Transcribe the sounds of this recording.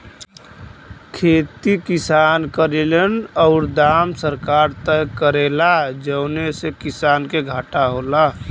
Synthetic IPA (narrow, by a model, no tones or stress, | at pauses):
kʰeːt̪ikɪsankəɾelənɔʊɾd̪aːmsəɾkaːɾt̪əjkəɾelad͡ʒəʊnesekisaːnkeɡʱaːʈaɦoːla